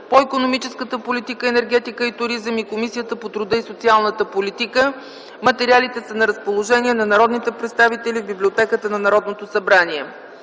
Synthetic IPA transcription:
poikonomit͡ʃɛskət̪əpolit̪ikəɛnɛɾɡɛt̪ikəit̪ʊɾizəmikomisijət̪əpot̪ɾʊd̪əisot̪sialˠnət̪əpolit̪ikə | mət̪ɛɾialit̪ɛsənɐɾəspolˠoʒɛniɛnɐnɐɾɔd̪nit̪ɛpɾɛt̪st̪avit̪ɛlivbiblʲiot̪ɛkət̪ənɐnɐɾɔd̪not̪osɐbɾaniɛ

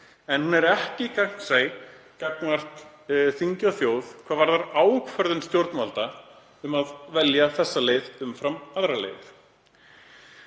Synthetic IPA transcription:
ɛnhunɛɾɛhcɪkʰak̪seːj | kaknvar̥t̪ | θiɲcawθjoːwðkʰvaːvaɾðaɾaːwkfœɾðʏnst̪jowɾt̪nmalt̪a | ʏmaðvɛljaθɛsːaleːjðʏmfɾamaðɾalḛjðʏɾ̥

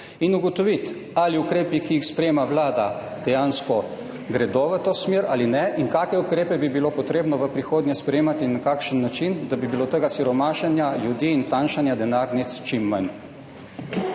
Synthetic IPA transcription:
inuɡɔt̪ɔʋit̪ | aliukɾeːpikijixspɾɛjeːmaʋlaːd̪a | d̪̥ɛjaːnskɔ | ɡɾɛd̪oʋət̪oːsmjeːɾaːlinɛʔiŋkaːkɛukɾeːpɛbibilopɔt̪ɾeːbnɔʋəpɾixoːd̪njɛspɾɛjeːmat̪inakaːkʃənːat͡ʃind̪abibilot̪əɡasiɾɔmaːʃanjaljud̪iːnt̪anʃanjad̪ɛnaɾnit̪st͡ʃimːan

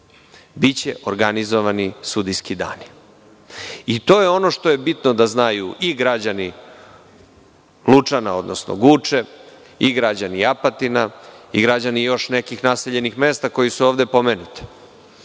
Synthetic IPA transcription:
bit͡ɕḛʔoɾɡanizoʋanisud̪iskid̪a̰ːni | it̪o̞ːjeo̞no̞ʃt̪o̞jebit̪no̞d̪aznajuʔiɡɾad͡ʑani | lut͡ʂanao̞̰d̪nosno̰ɡut͡ʂe | iɡɾad͡ʑaniapat̪inaiɡɾad͡ʑanijo̞ʃne̞kixnase̞ʎe̞nixme̞ːst̪ako̞jisuo̞ːʋd̪e̞po̞menut̪i̥

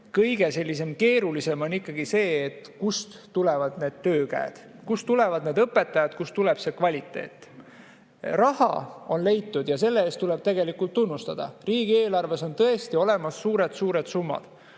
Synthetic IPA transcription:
kɤjɡ̥e̞se̞lʲːis̬e̞mke̞ːɾulise̞mo̞nikːˑɑɡ̥ise̞ːet̪kust̪t̪ulɛvɑd̪̥ne̞ːd̪̥t̪øːkæ̰ḛd̪̥kust̪ule̞vɑd̪ne̞ːd̪ɤpːe̞t̪ːˑɑjɑd̪̥kust̪ulɛb̥se̞kvɑlʲit̪ːˑe̞̰ːt̪ːˑ | rɑhɑ̰o̞nle̞jt̪ːud̪̥jɑse̞lːeeːst̪uleb̥̚t̪eɡe̞likːˑult̪ːunːust̪ɑd̪̥ɑ̰riːɡ̥ie̞ːlɑrve̞so̞nt̪ɤ̞e̞st̪io̞le̞mɑsːuːɾed̪̥suːɾed̪̥sumːɑ̰d̪̥

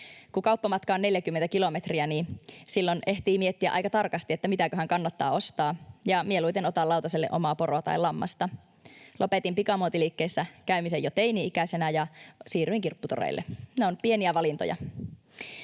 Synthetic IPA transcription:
kukɑupːɑmɑt̪kɑonne̞ljækymːent̪ækilo̞met̪riæniːsilːoneht̪iːmiet̪ːiæʔɑ̰jkɑt̪ɑrkɑst̪iet̪ːæmit̪ækøɦæŋkɑnːɑt̪ːɑ̰ːo̞st̪ɑːjɑmieluit̪enot̪ɑlɑuwt̪ɑselːḛʔomɑːporoɑt̪ɑ̰ilɑmːɑ̰st̪ɑ | lopet̪impikɑmot̪ilikːesːækæymisejot̪einiikæsenæjɑsiːɾyiŋkirpːut̪o̰rḛilːḛneonpie̞niæʋɑlint̪o̰jɑ̰

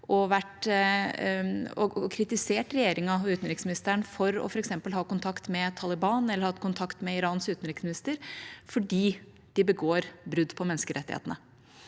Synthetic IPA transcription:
ʔɔʋæʈ | ɔɔkʰɾɪt̪ɪseːʈɾɛjeːɾɪŋɑɔʉːt̪n̩ɾɪksmɪnɪst̪əɳfɔɾɔ̰fɔɾɛksɛmpəlɦɑːkʊnt̪ʰɑkt̪mɛt̪ʰɑːlɪbɑːnɛlːəɾhɑt̪kʰʊnt̪ʰɑkt̪mɛɪɾɑːnsʉːt̪n̩ɾɪksmɪnɪst̪əɾfɔɖiː | d̪̥ɪbəɡoːɾbɾʉd̪ːpʰɔmɛnəskəɾʔɛ̰t̪ːɪhḛːt̪ənə

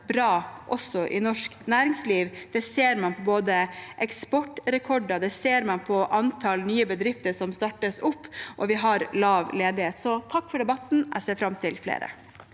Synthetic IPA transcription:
bɾɑːʔɔsːɔʔɪ̰nɔʂknæːɾɪŋsliːʋd̪̥ɛseːɾmɑnpʰɔboːd̪əʔɛkspɔʈːɾɛkʰɔɖɑd̪ɛseːɾmɑnpʰɔʔɑnt̪ʰɑlnyːəbəd̪ɾɪft̪əʂɔmst̪ɑʈːəsʊpːʔɔʋɪɦɑɾlɑːʋleːd̪ɪheːt̪sɔt̪ʰɑkːfɔɖɛbɑt̪n̩æ̰seːɾfɾɑmt̪ʰɪlflḛːɾə̰

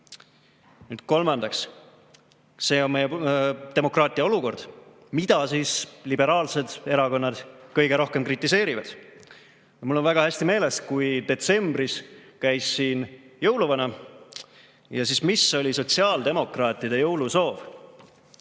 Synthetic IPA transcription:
nyːd̪̥ko̞lmɑnd̪ɑks | se̞ːonme̞jet̪e̞mo̞krɑːt̪ˑiɑo̞luko̞rd̪̥ | mid̪̥ɑsiːslibe̞ɾɑːlse̞d̪̥e̞ɾɑko̞nːɑd̪̥kɤjɡ̥e̞ɾo̞hke̞mkrit̪ːˑise̞ːɾivɑd̪̥ | jɑmulːonvæɡ̥ɑhæsʲt̪ime̞ːleskujd̪e̞t̪se̞mbriskæjsːiːnjɤwluvɑnɑ | jɑsiːsmisːo̞lʲiso̞t̪siɑːld̪e̞mo̞krɑːt̪ːˑid̪̥e̞jɤwluso̞ːv

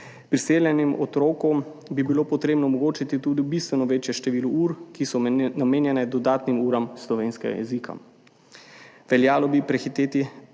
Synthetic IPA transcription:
pɾiseːljɛnimʔɔt̪ɾoːkɔm | bibiloːpɔt̪ɾeːbnɔːmɔɡoːt͡ʃit̪it̪uːd̪ibist̪ʋɛnɔʋeːt͡ʃjɛʃt̪ɛʋiːluuːɾkisɔnameːnjɛnɛd̪ɔd̪aːt̪nimuːɾamslɔʋeːnskɛ̰ɡa̰jɛ̰zikʰa̰ | ʋɛljaːlɔbipɾɛxit̪eːt̪i

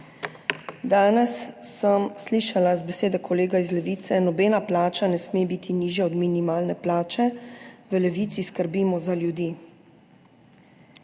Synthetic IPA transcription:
d̪aːnɛsːəmsliːʃalazbɛseːd̪ɛkʰɔleːɡaizlɛʋiːt̪sɛnɔbeːnaplaːt͡ʃanɛsmebiːt̪ʰiniːʒjaɔd̪minimaːlnɛplaːt͡ʃɛʋəlɛʋiːt̪siskəɾbiːmɔzaljud̪iː

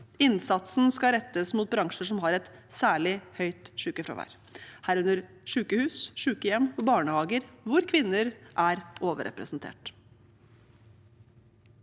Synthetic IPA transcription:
ɪnsɑt̪sn̩skɑɾɛt̪ːəsmuːt̪̚bɾɑŋʂəʂɔmɦɑɾɛt̪sæːɭɪhœʏt̪ʂʉːkəfɾɑ̰ʋæ̰ɾ | hæːɾʉnəɾ | ʂʉːkəhʉːsʂʉːkəjɛmːɔbɑːɳəhɑːɡəɾʋʊɾkʰʋɪnːəɾʔæɾʔoːʋə̰ɾɛ̰pɾə̰sn̩t̪ʰḛːʈ

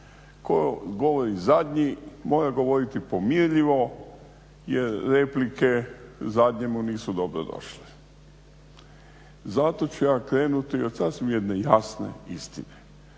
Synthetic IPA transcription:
kojo̰ɡo̞ʋoɾizad̪ʲɲimo̞ːɾaɡo̞ʋo̞ɾit̪ipomiɾʎiʋo̞ | jeɾːe̞plike̞zad̪ɲemuniːsud̪obɾo̰d̪o̰ʃli̥ | zat̪o̞t͡ɕujaːkɾe̞ːnut̪iot̪sasʋimjed̪nejasnḛist̪ḭne

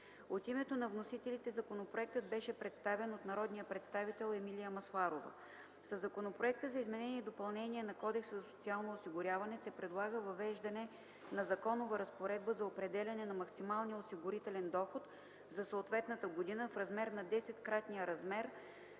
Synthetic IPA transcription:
ot̪imɛt̪onɐvnosit̪ɛlit̪ɛzɐkonopɾoɛk̚t̪əd̪̚bɛʃɛpɾɛt̪st̪avɛnot̪nɐɾɔd̪nijəpɾɛt̪st̪avit̪ɛlˠɛmilijəmɐslˠaɾovə̰ | sɐzːɐkonopɾoɛk̚t̪əzɐizmɛnɛnʲiɛd̪opɐlˠnɛniɛnɐkɔd̪ɛksəzɐso̥t̪sialˠnoːsiɡʊɾʲjavɐnɛsɛpɾɛd̪lˠaɡəvɐvɛʒd̪ɐnɛ | nɐzɐkɔnovəɾɐspoɾɛd̪̚bəzɐopɾɛd̪ɛlʲɐnɛnɐmɐksimalˠnijəosiɡʊɾit̪ɛlɛnd̪ɔxot̪ | zɐsoːt̪vɛt̪nət̪əɡod̪inəfɾɐzmɛɾnɐd̪ɛsɛt̪kɾat̪nijəɾɐzmɛɾ

